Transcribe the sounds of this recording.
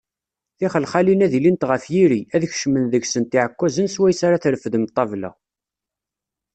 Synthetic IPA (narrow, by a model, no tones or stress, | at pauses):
θɪχəlχalinæðilint̪ʁəfjiɾiæðəçʃmənðəɡsənt̪iʕəkʷːæzənswæjsaɾaθɾəfðəmt̪ˤːɑvlæ̰